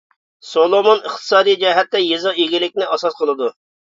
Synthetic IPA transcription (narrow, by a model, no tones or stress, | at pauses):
solˠomonəχt̪ʰɨ̥sɑːd̪ijd͡ʒɛɦɛt̪ːɛjezɑiɡʲilɪk̚ʲnɪʔɑsɑsqʰəlˠɨd̪u